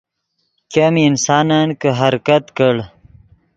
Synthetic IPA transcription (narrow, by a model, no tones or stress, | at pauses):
kaminsɑːnankəɦaɾkat̪kəɽ